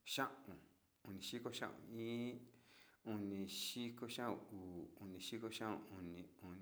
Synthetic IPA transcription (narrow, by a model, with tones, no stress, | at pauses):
ʃã˦ʔũ˨ | u˧nĩ˨ʃi˦ko˦ʃã̰˦ʔṵ̃˨˧˨ĩː˦ | u˧nĩ˧ʃi˦ko˧ʃã˦ṵ̃˧uː˨u˧nĩ˨ʃi˦ko˧ʃã˦ʔṵ̃˧˨u˧nĩ˨˧u˧n